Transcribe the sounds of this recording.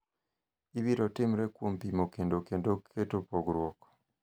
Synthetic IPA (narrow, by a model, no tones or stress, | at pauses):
iβiɾotimiɾekumpimokendokendoetopoɡuɾwoko̥